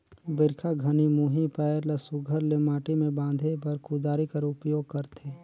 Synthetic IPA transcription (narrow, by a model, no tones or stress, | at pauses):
bɪɾkʰaɡʱɐnimuːɦipaːəɾlɐsʊɡʱəɾlɪmaːʈimẽbãːnd̪ʱepɐɾkʊd̪aːɾikɐɾʊpjoːɡ̚kɐɾt̪ʰeː